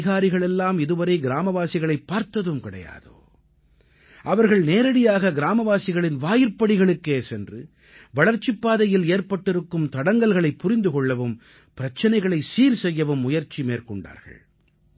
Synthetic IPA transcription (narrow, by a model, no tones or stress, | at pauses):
ɪɣaːɾɪɣɐɭɛlːaːmɪðɯʋɐɾɐɪɡɪɾaːmɐʋaːsɪɣɐɭɐɪpːaːɾt̪ɐðɯmkɪɽɐ̰ja̰ːðo̰ː | ʔɐʋɐɾɣɐɭneːɾɐɽɪjaːɣɐɡɪɾaːmɐʋaːsɪɣɐɭɪnʋaːjɪɾpːɐɽɪɣɐɭɯkːeːsɛndrɯ | ʋɐɭɐɾt͡ʃːipːaːðɐjɪleːɾpɐʈːɪɾɯkːɯmt̪ɐɽɐŋɡɐlɣɐɭɐɪpːʊɾɪnd̪ɯɣɔɭːɐʋɯm | pɪɾɐt͡ʃːɐnɐɪɣɐɭɐɪsiːɾsɛjːɐʋɯmːʊjɐɾt͡ʃimeːɾkɔɳɖa̰ːɾɣɐ̰ɭ